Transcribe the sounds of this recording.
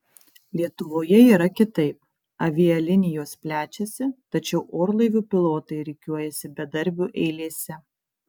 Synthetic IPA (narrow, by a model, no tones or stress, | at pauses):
lʲiɛt̪ʊʋoːjɛiːɾɐkʲɪt̪ɐɪp̚ | ɐʋʲɪɛlʲɪnʲɪjoːspʲlʲæːt͡ʃʲɛsʲɪt̪ɐt͡ʃʲɛʊʔoːɾlˠɐɪʋʲuːpʲɪlˠoːt̪ɐɪɾʲɪkʲuɔjɛsʲɪbʲɛd̪ɐɾʲbʲuːʔɛɪlʲeːsʲɛ